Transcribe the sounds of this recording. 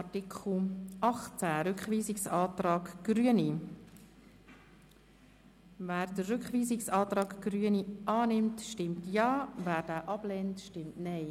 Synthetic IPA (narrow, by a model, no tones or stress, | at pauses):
tikʰχl̩ʔɑχt͡sæɾʏkχviːzɪksɑːtɾɑːɡɡ̥ɾyəni | væːɾdərːʏkχʋiːzɪksɑːt̪ɾɑːɡɡ̥ɾyəniʔɑːnɪmtʃtɪmtjɑːvæːɾdæːʔɑb̥lɛntʃtɪmtnɛɪ